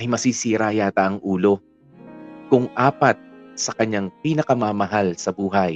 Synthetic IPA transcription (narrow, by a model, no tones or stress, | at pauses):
ʔɐjmɐsisiːɾajaːt̪ɐʔɐŋʔuːlo̞ | kʊŋʔaːpɐt̪̚sɐkɐɲːaŋpiːnɐkɐmamɐɦalsɐbuːɦɐj